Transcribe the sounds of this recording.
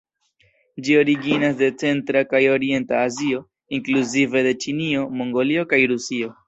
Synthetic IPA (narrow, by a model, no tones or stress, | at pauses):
d͡ʒio̞ɾiɡinasde̞t͡se̞ntɾakajo̞ɾie̞ntaːzio̞ | iŋkluzive̞de̞t͡ʃinio̞mo̞ŋɡo̞lio̞kajɾusio̞